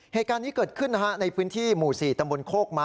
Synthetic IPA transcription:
heː˨˩t̪̚kaː˧nːiː˦˥kɤː˨˩t̪̚kʰɯ˥˩nːa˦˥ha˦˥ʔna˧jpʰɯː˦˥nt̪ʰiː˥˩muː˨˩siː˨˩t̪a˧mbo˧nkʰoː˥˩k̚ma˦˥

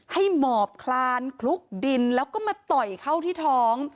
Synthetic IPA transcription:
ha˥˩jmɔː˨˩p̚kʰlaː˧nkʰlu˦˥k̚di˧nlɛː˦˥wkɔː˥˩maː˧t̪ɔ˨˩jkʰa˥˩wt̪ʰiː˥˩t̪ʰɔː˦˥ŋ

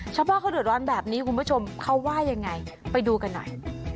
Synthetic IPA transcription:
t͡ɕʰa˦˥pwa˥˩kʰa˦˥˩dɯ˨˩t̪̚ɾɔː˧˥nbɛː˨˩p̚niː˦˥kʰu˧nmbu˦˥˩t͡ɕʰo˧mkʰa˦˥wwaː˥˩ja˧ŋːa˧jpa˧jduː˧ka˧nːɔ̰˨˩j

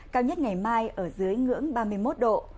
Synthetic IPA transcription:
kaː˧wɲə˦˥t̚ŋa˨˩jmaː˧jʔəː˧˩zɨ˨˦əjŋɨ̰˧˥əŋɓaː˧mɨ˧əjmo˦˥t̚ɗo̰˧˨

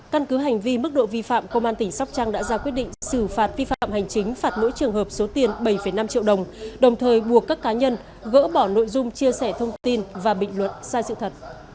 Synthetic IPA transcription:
ka˧nkɨ˨˦ɦa˨˩jŋ̟vi˧mɨ˦˥k̚ɗo̰˧˨vi˧fa̰ː˧˨mkə˧ŋ͡mʔaː˧nt̪ï˧˩ŋ̟sa˦˥wk͡p̚t͡ɕa˧ŋɗa̰ː˧˥zaː˧kwət̚ɗḭ˧˨ŋ̟sɨ˧˩faː˨˩t̚vi˧fa̰ː˧˨mha˨˩jŋ̟t͡ɕï˨˦ŋ̟faː˨˩t̚no̰˧˥jt͡ɕɨ˨˩əŋɦəː˨˩p̚so˨˦t̪i˨˩ənɓə˧˩jfə˧˩jna˧mt͡ɕḭ˧˨əwɗə˨˩wŋ͡mɗə˨˩wŋ͡mt̪ʰəː˨˩jɓu˨˩əkːaː˦˥kːaː˨˦ɲə˧n | ɣə̰ː˧˥ɓɔ˧˩no̰˧˨jzʊ˧ŋ͡mt͡ɕi˧əsɛ˧˩t̪ʰə˧wŋ͡mt̪i˧nvaː˨˩ɓḭ̈˧˨ŋ̟lwə˨˩t̚saː˧jsɨ̰˧˨t̪ʰə˨˩t̚

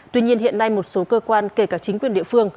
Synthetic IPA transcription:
t̪wi˧ɲi˧ənɦḭ˧˨ənːa˧jmo˨˩t̚so˨˦kəː˧kwaː˧nke˧˩kaː˧˩k̚t͡ɕï˨˦ŋkwi˧˩ənɗḭ˧əfɨ˧əŋ

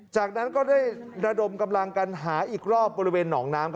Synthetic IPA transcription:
t͡ɕaː˨˩k̚na˦˥nkɔː˥˩daː˥˩j | ɾa˧do˧mka˧mla˧ŋka˧nɦaː˩˦ʔiː˨˩k̚ɾɔː˥˩p̚bɔː˧ɾi˦weː˧nːɔː˩˦ŋnaː˦˥mkʰ

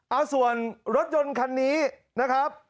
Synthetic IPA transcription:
ʔa˧wsu˨˩ənɾo˦˥t̪̚jo˧nkʰa˧nːiː˦˥ | na˦˥kʰɾa˦˥p̚

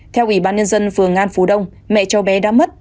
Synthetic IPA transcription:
t̪ʰɛ˧wʔi˧˩ɓaː˧nɲə˧nzə˧nfɨ˨˩əŋʔaː˧nfo˨˦ɗə˧wŋ͡m | mɛ̰˧˨t͡ɕə˨˧wɓɛ˨˦ɗaː˧˥mə˦˥t̚

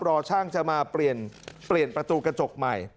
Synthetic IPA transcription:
pɾɔː˧t͡ɕʰaː˥˩ŋt͡ɕa˨˩maː˧pli˨˩ənpli˨˩ənpɾa˧t̪uː˧ka˧t͡ɕo˨˩k̚ma˨˩j

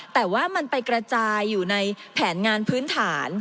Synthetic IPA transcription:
t̪ɛː˨˩waː˥˩ma˧npa˧jkɾa˧t͡ɕaː˧jːuː˨˩na˧jpʰɛː˩˦nŋaː˧npʰɯː˦˥nt̪ʰaː˩˦n

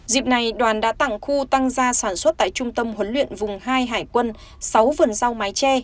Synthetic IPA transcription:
zḭ˨˩p̚na˨˩jɗwaː˨˩nɗa̰ː˧˥t̪a̰˧˨ŋxu˧t̪a˧ŋzaː˧saː˧˩nswə˦˥t̚t̪a̰ː˧˨jt͡ɕʊ˧ŋ͡mt̪ə˧mhwə˨˦nlwḭ˧˨ənvʊ˨˩ŋ͡mɦaː˧jɦaː˧˩jkwə˧n | sa˨˦wvə˨˩nza˧wmaː˨˦jt͡ɕɛ˧

